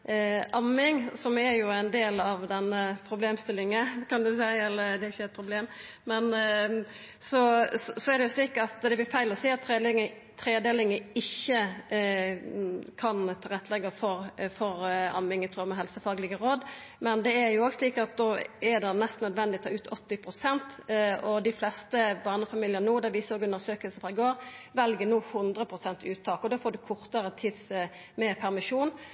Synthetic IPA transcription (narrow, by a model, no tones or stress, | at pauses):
ʔɑmːɪŋsɔmæɾjʊæɪnd̪eːlɑʋd̪ɛnːəpʰɾʊbleːmst̪ɪlːɪŋəkʰɑnd̪ʉsæɪɛlːəd̪ɛɾɪçːəɛt̪̚pʰɾʊbleːm | mɛn | sɔɔsɔɛɾd̪ɛjʊsliːkɑt̪d̪ɛblɪɾfæɪlɔsiːɑt̪ʰːɾelɪŋə | t̪ʰɾeːd̪eːlɪŋəɪçːə | kʰɑnt̪ʰɑːɾɛt̪ːəlɛɡːəfɔɾfɔɾɑ̰mɪŋət̪ʰɾuːmɛɦɛlsəfɑːɡlɪɡəɾoːd̪ | mɛnd̪ɛæɾjʊoːɡsliːkɑt̪̚d̪oːɛd̪ɛnɛst̪nœd̪ʋɛnd̪ɪt̪ʰɑːʉːt̪ʰɔt̪ːɪpʰɾʊsɛnt̪ɔd̪ɪflɛst̪əʋɑːnəfɑmiːljənuːd̪ɛʋɪsoːɡʉnəɾsøːkəlsəfɾɑːɪɡoːʁʋɛlɡənuːhʊnd̪ʁəpʰʁʊsɛnt̪ʉːt̪ʰːɑːkɔd̪oːfoːd̪ʉkʰʊʁt̪əɾət̪ʰɪs | mɛpʰæʁmɪʂuːn